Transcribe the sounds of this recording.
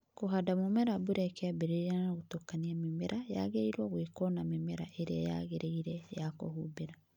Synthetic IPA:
koɦadamomɛɾabuɾɛkɛabeɾeɾanaɣotokaniamemeɾʔaja̰ɣeɾeiɾwaɣwekɔnamemeɾa̰ʔeɾeaja̰ɣeɾʔeiɾɛjako̰hubeɾa

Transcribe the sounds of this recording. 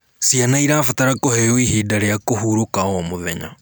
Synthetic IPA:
sianaiɾafataɾakohɛjoihidaɾejakohuɾokaɔmoðɛɲa̰

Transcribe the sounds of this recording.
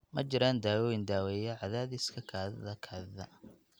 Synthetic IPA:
mɐt͡ʃɪɾaːnd̪aːwɔːwɪnd̪aːwɛːjɐʕɑðaːðɪskʰɐkʰaːðɐ̰ðɐkʰaːððɐ

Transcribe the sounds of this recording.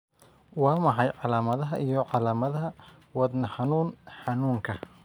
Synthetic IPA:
wɑːmɑħɑjʕɑlaːmɐðɐɦɐʔijɔʕɑlaːmɐðɐɦɐwɑd̪nɐħɑnuːnħɑnuːŋkʰɐ

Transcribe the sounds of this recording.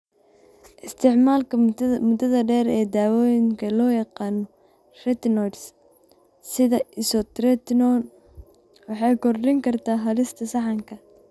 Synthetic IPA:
ʔɪst̪ʰɪʕmaːlkʰɐmʊd̪ɐðɐɖɛːɾɛːd̪aːwɔːjɪŋkʰɐlɔːjɑqɑːnɔ | rɛt̪nɔds | sɪðɐɪsɔt̪ɾɛt̪nɔn | wɑħɑjkʰɔrdɪŋkʰɐrt̪ʰaːɦɐlɪst̪ʰɐsɑħɑŋkʰɐ

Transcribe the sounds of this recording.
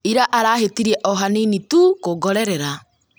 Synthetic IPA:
iɾaʔaɾaːɦetiɾiɛʔɔɦaninitukoɡɔɾɛɾɛɾa

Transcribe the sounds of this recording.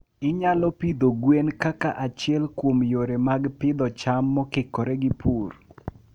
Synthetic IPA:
ɪɲalɔpid̪oɡwenkakaʔat͡ʃɪɛlkwomjoɾemaɡpɪd̪ɔt͡ʃamːɔkɪkɔɾɛɡɪpur

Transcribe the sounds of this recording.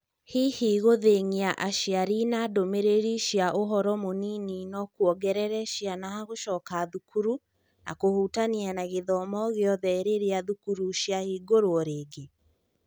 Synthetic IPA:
hihiɣoðeŋiaʔaʃiaɾinadomeɾeɾiʃjaʔoɦɔɾɔmonininɔkuɔɡɛɾɛɾɛʃjanahaɣoʃɔːkaðukuɾu | na̰kohutanianaɣeðɔmɔɣeɔðɛeɾeɾeaðukuɾuʃjahiːɡoɾoɔɾeːɡe

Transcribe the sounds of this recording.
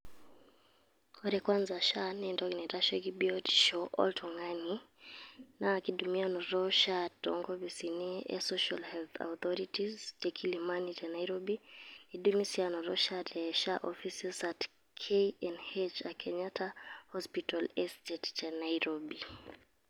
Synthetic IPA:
kɔɾɛkwanzaʃanɛndɔɡnɛɾaʃɛɡibiɔdʃɔʔɔ̰ltʰɔŋani | naːkiɗumianɔɾɔʃatɔ̰ŋɡɔbisiniɛ̰sɔʃalhɛlt̪a̰uθɔɾitizd͡ʒɛkʰilimanit͡ʃanaiɾɔbiniɗumisianɔɾɔʃaɾɛʃaʔɔfisɛsat | kʰeiɛnhɛt͡ʃakʰɛɲatahɔspitɔlɛstɛtt͡ʃanaiɾɔbi

